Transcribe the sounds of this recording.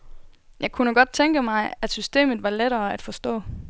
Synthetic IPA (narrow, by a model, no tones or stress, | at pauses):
jʔɑ̈ɪkʰunəɡ̥ɒ̽d̥̚t͡sʰeŋɡ̥əmɑ̈ɪæ̥sysd̥e̝̰ːmð̩ˠʋɑ̈leɾɐːæd̥fɒ̽sd̥ɔ̰̽ː